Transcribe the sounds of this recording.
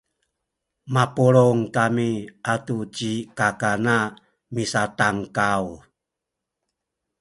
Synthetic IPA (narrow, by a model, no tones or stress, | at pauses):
mapuɾoŋkamiʔatut͡ɕikakana | misataŋkaw